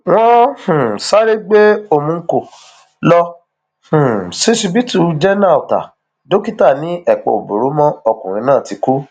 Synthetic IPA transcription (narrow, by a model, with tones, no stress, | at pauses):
w̃ɔ̃˦hũ˨sa˦ɾe˦ɡ͡be˦o˧mũ˧˦ko˦˨ | lɔ˧ | h̩˨si˦si˧bi˦tu˧d͡ʒɛ˦nã˦˨o˨ta̰˨ | do˦ki˦ta˦˨nĩ˨˦ɛ˦˨k͡pɔ̰˨o˨bo˨ɾo˨˦mɔ̃˦ɔ˧kũ˨ɾ̃ĩ˧nãː˦˨ti˧˦ku˦